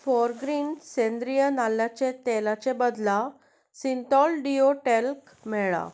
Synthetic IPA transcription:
fɔɾɡɾinsẽnd̪ɾijənaljat͡ɕet̪elat͡ɕebəd̪la | sint̪ɔlɖioʈelk | mɛɭa̰

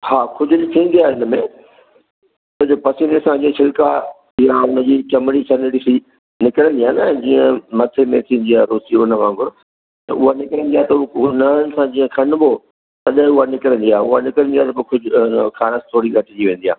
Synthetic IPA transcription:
haːkʰʊd͡ʑʊt̪ʰĩːn̆d̪iaːɦɪnəmẽ | t̪ɐd͡ʑopɐsiːnesãd͡ʑiə̃sʰɪlka | ijaʊnə̆d͡ʑiːt͡ɕɐməɽit͡ɕʰɐnɽɪsi | nɪkəɽə̃nd̪ijaːnə̃d͡ʑĩːə̃mɐt̪ʰemẽt̪ʰĩːənd̪iaːɾoːsiʊnəʋãːŋɡʊɾ | t̪ɐʊɦanɪkəɾə̃nd̪iaːɦt̪ɐukʊnanɪ̆sãd͡ʑiːə̃kʰɐnbʱo | t̪ɐɗɪ̃ʊɦanɪkɾə̃nd̪iaːɦʊɦanɪkɾənd̪iaːt̪ɐkokʰʊd͡ʑkʰaːɾəst̪ʰoːɽiɡʱɐʈʰɪd͡ʑiʋẽːnd̪ia̰ː

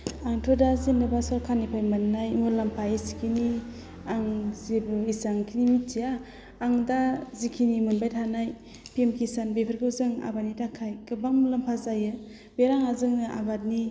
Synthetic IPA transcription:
aŋtʰɔdazinɯbasɔlkʰanipʰajmɯnːajmɔlampʰajsi̥kʰini | aŋzibisaŋkʰinimitiaː | ŋdazikʰinimɯnbajtʰanaj | pʰemkʰisanbepʰeɾɡɯwzɯŋa̰banidakʰajkɯbakmlampʰazajɯ | beɾaŋazɯŋnɯʔa̰bat̚ni

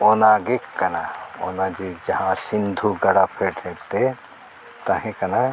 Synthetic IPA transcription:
oːnaːɡekkːɐnao̰ːnad͡ʒid͡ʒɐɦãsɪnd̪ʱuɡɐɽapʰeɾʈʰeːɾt̪e | t̪ɐɦẽkɐna

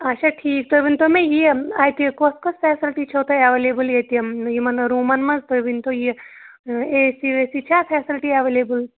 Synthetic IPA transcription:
ɐt͡ʃʰaʈʰiːk̚t̪ojbint̪omẽjiajt̪ikoskosfʰɛːsɪlʈit͡ʃʰoːt̪ɐɐʋeːleːbɨljet̪ijimɐnɾuːmɐnmɐnzt̪obint̪oji | eːsiʋesit͡ʃʰaːfʰɛːsɪlʈiɐʋeːleːbɨl

